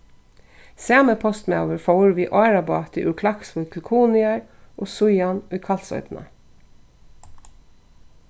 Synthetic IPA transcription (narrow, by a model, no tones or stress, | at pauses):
sæːməpʰɔst̪meoːʋəɾfɑʊɹʋiːʔɑɹɑbɑːt̪ḭʔʉkʰlɑksok̪ʰl̩kʰuːnɪɑɹʔoːsʊʏɑnʊkʰɑlsœ̰ʏt̪nɑ̰